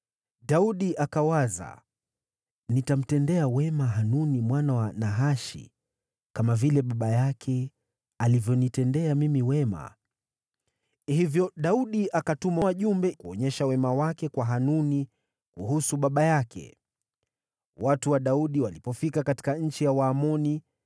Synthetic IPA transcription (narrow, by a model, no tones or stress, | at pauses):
ɗauɗiakawaza̰ | nitam̩tɛndɛawɛmaɦanunimwanawanaɦaʃḭ | kamavilɛɓaɓajakʰɛ | alivjɔnitɛndɛamimiwɛma̰ | hivjɔɗauɗiʔakatumawaʄumbɛkuɔ̰ɲɛʃawɛmawakɛkwaɦanuni | kuhusuɓaɓajakʰɛ̰ | watuwaɗauɗiwalipɔfikakati̥kaɲ̩t͡ʃijawaːmɔni